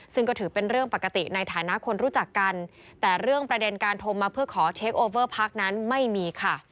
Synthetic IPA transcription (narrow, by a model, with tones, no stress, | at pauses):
sɯ˥˩ŋkɔː˥˩t̪ʰɯː˩˦pe˧nɾɯ˥˩əŋpa˨˩kːa˧t̪i˨˩na˧jt̪ʰaː˩˦na˦˥ʔkʰo˧nɾuː˦˥t͡ɕa˨˩kːa˧n | t̪ɛː˨˩ɾɯ˥˩əŋpɾa˧de˧nkaː˧nt̪ʰo˧mːaː˧pʰɯ˥˩ɐkʰɔː˩˦t͡ɕʰeː˦˥k̚ʔoː˧wɤː˥˩pʰa˦˥˩k̚na˦˥nma˥˩jmiː˧kʰa˥˩